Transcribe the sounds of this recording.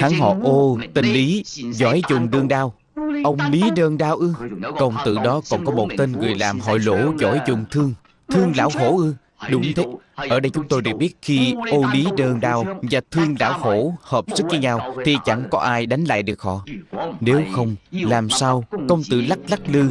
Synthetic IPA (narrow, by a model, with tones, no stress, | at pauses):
haː˨˦ŋɦɔ̰˧˨ʔo˧t̪ï˨˩ŋ̟li˨˦zɔ˧˩˦jzʊ̰˨˩ŋ͡mɗɨ˧əŋɗaː˧w | ʔə˧wŋ͡mli˨˦ɗəː˧nɗaː˧wʔɨ˧kə˧wŋ͡mt̪ɨ̰˧˨ɗɔ˨˦kɔ̰˧˩nkɔ˨˦mo˨˩t̚t̪e˧nŋɨ˨˩əjlaː˨˩mɦɔ̰˧˨jlo̰˧˩˥zɔ̰˧˩˦jzʊ̰˧˨˩ŋ͡mt̪ʰɨ˧əŋ | t̪ʰɨ˧əŋlaː˧˩who˧˥ʔɨ˧ | ɗʊ˨˦ŋ͡mt̪ʰe˨˦ʔəː˧˩ɗə˧jt͡ɕʊ˨˦ŋ͡mt̪o˧jɗɨ˨˩k̚ɓi˦˥ət̚xi˧ʔo˧li˨˦ɗəː˧nɗaː˧wvaː˨˩t̪ʰɨ˧əŋla̰ː˧˩who˧˩həː˨˩p̚sɨ˦˥k̚ɲi˧ɲaː˧wt̪ʰi˨˩t͡ɕa˧˩ŋkɔ˨˦ʔaː˧jɗa˨˦jŋ̟la̰ː˧˨jɗɨ˨˩ək̚hɔ̰˧˨ne˨˦wxə˧wŋ͡mlaː˨˩msaː˧wkə˧wŋ͡mt̪ɨ̰˧˨la˦˥k̚la˦˥k̚lɨ˧